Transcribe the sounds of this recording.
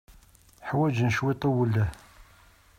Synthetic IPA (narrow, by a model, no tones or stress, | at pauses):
ħwæd͡ʒnʃwit̪ˤɑwəlːæ